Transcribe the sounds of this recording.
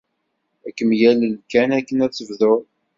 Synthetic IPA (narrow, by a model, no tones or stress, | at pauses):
ækːəmjæləlkænækːənæt͡sːəvðoɾ